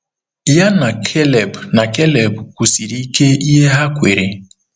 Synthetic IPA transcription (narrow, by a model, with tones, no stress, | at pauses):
ja˦na˨kʰe˦le˨bna˨ke˦le˨bkʷu˨si˨ɾi˦ke˦i˦ɦe˦ɦa˦kʷe˨ɾe˨